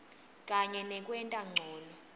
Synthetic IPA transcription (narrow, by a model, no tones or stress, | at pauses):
kʼaɲɛnɛkʼwɛntʼaŋ͡ǀʱɔːnɔ